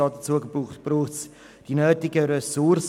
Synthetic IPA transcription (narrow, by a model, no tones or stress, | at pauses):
ɑːdət͡suəɡəbuχtb̥ruːχts | d̥inøːtɪɡəɾɛsurs